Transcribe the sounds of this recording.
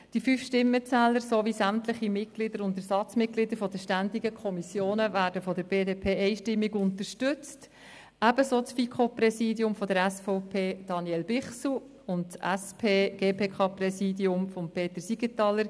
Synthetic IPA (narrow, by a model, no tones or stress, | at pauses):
d̥ifyfʃtɪmːət͡sɛːləɾsoːʋisæmtləɪχimɪt̚ɡ̥lidəɾʊntəsɑt͡smɪt̚ɡ̥lidəɾfɔdəʃtændiɡəkʰɔmisjoːnəvæːɾdəfɔdəɾbeːdeːpʰeːɛɪʃtɪmːiɡʊntəɾʃtʏt͡st | æbəsoːt͡sfikʰopɾɛsiːdjʊmfɔdəɾɛsfɔʊpʰeːd̥ɑnjɛlbɪχsu | ʊnttɛspʰeːɡ̥eːpʰeːkʰɑːprɛsiːdiʊmfɔmpʰeːt̪əɾsiɡətɑlːəɾ